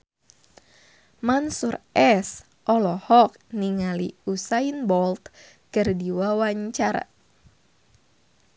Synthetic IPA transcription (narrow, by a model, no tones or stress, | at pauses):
mansurɛs | ʔɔlɔhɔk̚niŋaliusainbɔlt̪ | kɨrdiwawaɲt͡ʃaɾa̰